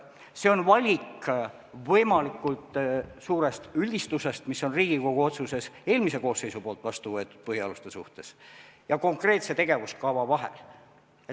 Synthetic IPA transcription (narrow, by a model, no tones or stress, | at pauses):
se̞o̞nvɑlʲik | vɤjmɑlikːˑult̪ˑsuːɾe̞st̪ylʲd̪ist̪use̞st̪misːo̞nriːɡ̥iko̞ɡ̥uo̞t̪suse̞se̞ːlmise̞ko̞ːsːe̞jsupo̞ːlt̪ˑvɑst̪uvɤe̞t̪ːˑud̪̥̚pɤhiɑlust̪e̞sṵht̪e̞sjɑko̞ŋkre̞ːt̪se̞t̪e̞ɡ̥e̞vuskɑvɑvɑɦḛl